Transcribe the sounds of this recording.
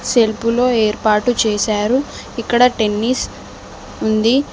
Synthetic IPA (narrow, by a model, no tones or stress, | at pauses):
se̞lpulo̞ːeːɾpaːʈut͡ʃeːʃaːɾu | ikːɐɽɐʈe̞nːis | und̪i